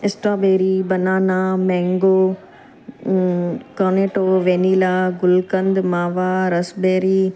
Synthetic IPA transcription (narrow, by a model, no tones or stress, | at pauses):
ɪsʈaːbeːɾibɐnaːnamɛ̃ːŋɡoː | koːneːʈoːʋẽːniːlaːɡʊlkə̃nd̪maːʋaɾɐsbeːɾi